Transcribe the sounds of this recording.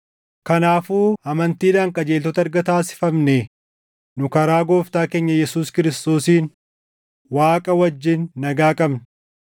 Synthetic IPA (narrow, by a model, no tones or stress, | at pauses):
kɐnaːfuːɐmɐnt̪iːd̪aːŋkʼɐd͡ʒeːlt̪ɔt̪ɐɾɡɐt̪aːsɪ̥fɐmnɛ | nʊkɐɾaːɡo̞ːft̪aːke̞ːɲːɐjɛsuːskɪɾɪst̪o̞ːsiːn | waːkʼɐwɐd͡ʒːɪnːɐɡaːkʼɐbnɐ